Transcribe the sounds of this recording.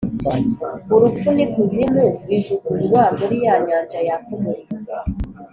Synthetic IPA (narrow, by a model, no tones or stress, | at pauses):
uɾut͡ʃunikuzimuwiʒukuɾɡwaːmɡoɾijaːɲaːnd͡ʒajakumuɾ